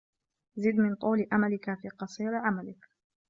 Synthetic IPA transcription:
zɪd̪mɪnt̪ˤuːlʔamalɪkafiːqɑsˤiːɾʕamalɪk

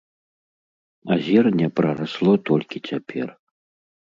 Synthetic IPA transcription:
azʲɛrnʲɛpɾɐɾaslˠɔt̪ɔlʲkʲit͡sʲapʲʰɛ̰r

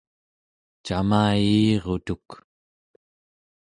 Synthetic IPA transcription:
t͡ʃamaːjiːʁot̪uk

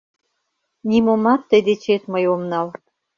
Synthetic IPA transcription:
nʲimomɑt̪ːəjd̪et͡ɕet̪məjomnɑl

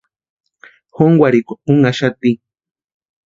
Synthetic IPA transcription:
xoŋɡwʷaɾikuŋaʃat̪i

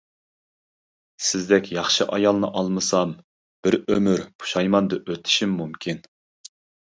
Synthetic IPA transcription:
sɪzd̪ɛkʲʰjɑχʃɨʔɑjɑlˠnɨʔɑlˠmɨsɑm | b̥ɪɾømyɾpʰu̥ʃɑjmɑnd̪ɨʔøt̪ʰɪ̥ʃimːumkʲʰin

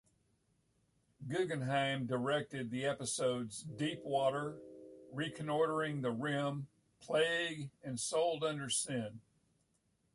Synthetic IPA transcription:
ɡʊɡɨ̃nɦãɪ̃mdə˞ɛk̚tɨd̪̚ðiɛpɨsoʊdzdipʰwɔɾə˞ɹikʰɨ̃nɔɹɾə˞ɪ̃ŋðɨɹɪ̃m | pʰl̥eɪɡɨ̃nsoʊlˠdʌ̃ndə˞sɪ̃n

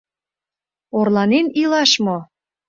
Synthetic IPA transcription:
orlɑnenilɑʃmo

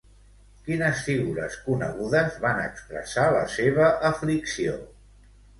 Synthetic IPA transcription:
kinəsfiɣuɾə̰skunəɣuðəzβanə̰kspɾə̰saləseβ̞əʔəfliksio̰

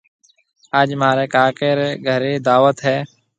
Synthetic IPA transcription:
aːd͡ʒmaːɾeːkaːkeːɾeːɡʱəɾeːd̪aːʋət̪ɦɛː

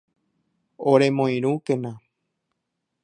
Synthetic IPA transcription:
oɾẽmõĩɾ̃ũkẽnã

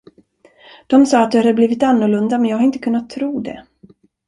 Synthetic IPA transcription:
d̪̥ɔmsɑːat̪̚d̪ɵhad̪əbliːvɪt̪anːʊɭɵnd̪amɛnjɑːɡhaɾɪnt̪əkɵnːat̪ʰːɾuːd̪ɛ̰

